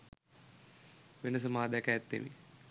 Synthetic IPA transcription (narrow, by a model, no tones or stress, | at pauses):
ʋenəs̬əmaːd̪ækæjæt̪ːḛʋḭ